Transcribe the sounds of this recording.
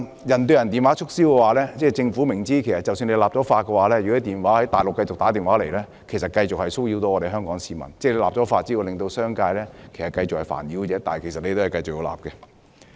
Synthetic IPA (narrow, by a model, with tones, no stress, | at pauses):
jɐ˨˩nt̪ɵ˧ɥjɐ˨˩nt̪iː˨nwaː˨˥t͡ʃʰʊ˥k̚si˥wkɛː˧waː˨˧lɛː˥t͡sɛː˥˩t͡sɪ˧ŋfuː˨˥mɪ˨˩ŋt͡siː˥kʰe˨˩jsɐ˨t̚t͡sɐ˨wsy˧nle˧jlaː˨p̚ɔː˨˥faː˧t̚kːɛ˧waː˨˧lɛː˥jyː˨˩ɔ˥t̪iː˨nwaː˨˦˥hɐ˨˥jt̪aː˨jlʊ˨kːɐ˧jt͡sʊ˨k̚t̪aː˨˥t̪iː˨˩nwaː˨˥le˨˩lɛː˥ | kʰe˨˩jsɐ˨t̚kɐ˧jt͡sʊ˨k̚hɐ˨jso˥wjiː˧wt̪o˧˥wɔː˧ɾe˨jɦœː˥ŋkɔː˨˥ŋsiː˨˧mɐ̰˨˩nt͡sɛː˥˩le˧laː˨p̚t͡sɔː˨˥faː˧t̚t͡siː˥o˧lɪ˨ŋt̪o˧wsœː˥ŋkaː˧jlɛː˥kʰe˨˩sɐ˨˩kɐ˧jt͡sʊ˨khɐ˨˩jfa̰ː˨˩njiː˨˥wt͡ɕɛː˨˥t̪aː˨nhkʰe˨˩sɐ˨t̚le˧t̪o˥wɐ˨jkɐ˧jt͡sʊ˨k̚jo˨˧wla̰ː˨˩p̚kɛ˧